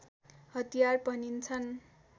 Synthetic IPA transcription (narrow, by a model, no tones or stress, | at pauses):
hʌt̪ijarpʌnint͡sʰʌn